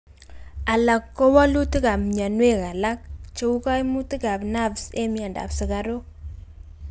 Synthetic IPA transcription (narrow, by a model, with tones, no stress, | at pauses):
a˨la˨kːo˦wa˦lu˦ti˦ka˨mɲa˨nwe˦˨ka˨la˦k̚t͡ʃe˦u˦ka˦jmu˦ti˦ka˨pna˦vsḛ˦mi˦a˨nda̰˨psɪ˨kaɾo˦